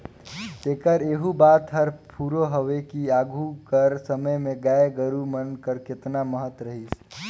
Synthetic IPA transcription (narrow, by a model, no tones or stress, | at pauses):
t̪ekəɾeɦubat̪ɦəɾpʰuɾoɦoʋekiaɡʱukəɾsəməjmẽɡaeɡəɾumənkəɾkɪt̪naməɦət̪ɾəɦis